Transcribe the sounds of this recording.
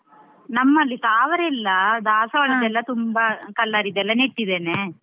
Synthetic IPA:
nɐmːɐlːit̪aːʋɐɾɛlːɐd̪aːsɐʋɐɭid̪ɛlːɐt̪umbɐkɐlːaːɾid̪ɛlːɐneʈːid̪eːne

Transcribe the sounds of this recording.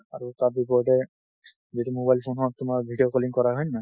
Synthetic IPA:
aɹutaɹbipɔɹdɛ | zitumobajlpʰonɦɔtʊmaɹbʱidiɔkɔliŋkɔɹaɦɔjnna

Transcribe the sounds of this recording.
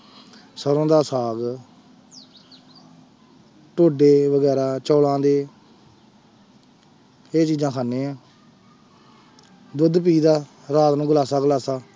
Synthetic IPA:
səɾõːd̪aːsaːɡ | ʈoːɖeːʋəɡɛːɾaːt͡ʃɔːlãːd̪eː | eːt͡ʃiːd͡ʒãːkʰaːnːeːãː | d̪ʊd̪p̬iːd̪aː | ɾaːt̪nũːɡəlaːsaːɡəlaːsaː

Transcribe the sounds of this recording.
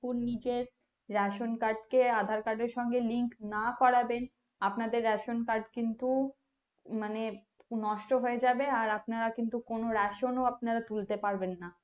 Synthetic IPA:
uɾnid͡ʑeɾː | ɛʃonkaɾɖkead̪ʱaɾkaɾɖeɾʃɔŋɡeliŋknakɔɾaben | apnad̪eɾːɛʃonkaɾɖkint̪u | mane | nɔʃʈoɦoed͡ʑabeaɾapnaɾakint̪ukonoɾɛʃonoapnaɾat̪ult̪epaɾbenːa

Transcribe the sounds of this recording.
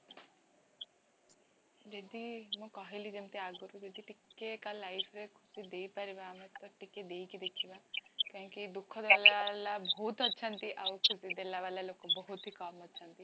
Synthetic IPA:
d͡ʒed̪imũkɔɦelid͡ʒemt̪iaɡɔɾud͡ʒed̪iʈikːekalajpʰɾekʰusid̪eipaɾibamet̪ɔʈikːed̪eikid̪ekʰibakãkid̪ukʰːɔd̪ealalabɔɦut̪ɔtːʃʰant̪iʔaukʰusid̪elaʋalalokobɔɦut̪ɦikɔːmɔtːʃʰant̪i

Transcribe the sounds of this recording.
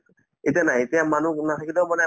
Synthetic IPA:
etianajetijamanunatʰakilɛmanɛ

